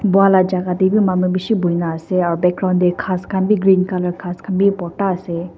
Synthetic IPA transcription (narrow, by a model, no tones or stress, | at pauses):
bualad͡ʒakat̪ebimamubiʃibuinaseabɛkɾand̪ekʰaskʰambiɡɾinkaləɾkʰaskʰambipɔʈase